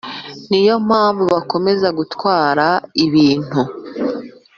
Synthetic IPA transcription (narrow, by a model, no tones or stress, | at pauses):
nijo̞m̥haːɱvuβako̞me̞zaɡutwaːɾaiβiːn̥hu